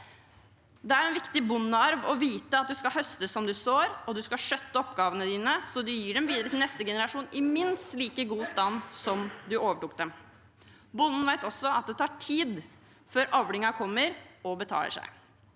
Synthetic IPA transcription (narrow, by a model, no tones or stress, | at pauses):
d̪ɛæɾɛnʋɪkt̪ɪbʊnːɑɾʋɔʋiːt̪əɑt̪̚d̪ʉskɑlhœst̪əsɔmd̪ʉsoːɾɔd̪ʉskɑʂœt̪ːəɔpɡɑːʋənəd̪iːnəsɔd̪ʉjiːɖɛmʋiːd̪əɾət̪ʰɪlnɛst̪əɡɛnəɾɑʂuːnɪmɪnst̪liːkəɡuːst̪ɑnsɔmd̪ʉʔoːʋəʈuk̚d̪ɛm | bʊnːn̩ʋæɪt̪ɔsːɔɑt̪̚d̪ɛt̪ʰɑːʈʰiːd̪ | føːɾʔɑʋɽɪŋɑkʰɔmːəɾɔbət̪ʰɑ̰ːlə̰ʂæ̰ɪ